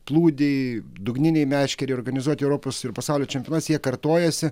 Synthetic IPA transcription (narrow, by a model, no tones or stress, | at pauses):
plˠuːd̪ʲɛɪ | d̪ʊɡnʲɪnʲɛɪmʲæːʃʲkʲɛɾʲɛɪoɾɡɐnʲɪzuɔt̪ʲɛʊɾoːposɪɾpɐsɑˑʊlʲoːt͡ʃʲɛmʲjonɐsjiɛkɐɾt̪oːjɛsʲɪ